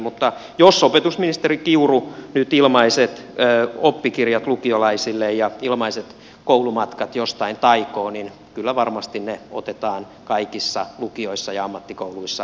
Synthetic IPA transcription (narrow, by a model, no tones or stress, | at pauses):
mut̪ːɑjosopet̪usminist̪erikiurunyt̪ilmɑiset̪øːopːikirjɑt̪lukiolɑisilːejjɑilmɑiset̪ | koulumɑt̪kɑt̪jost̪ɑint̪ɑikoːnin | kylːæʋɑrmɑst̪inneot̪et̪ɑːn | kɑikisːɑlukioisːɑjɑɑmːɑt̪ːikouluisːɑ